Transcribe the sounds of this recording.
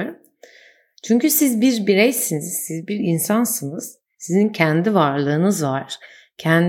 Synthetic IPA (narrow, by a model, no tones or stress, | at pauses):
ɾm | t͡ʃʰyɲcysizbiɾbiɾɛjsiniz̥sizbiɾinsansɯnɯz̥ | sizincʰɛnd̪ivaɾlˠɯːnɯzvaɾ̥ | cʰæn